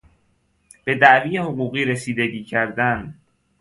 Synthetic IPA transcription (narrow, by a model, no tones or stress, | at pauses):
b̥e̞d̪æʔviːjehoɣuːɣiːɾesiːd̪eɟiːcʰæɾd̪æn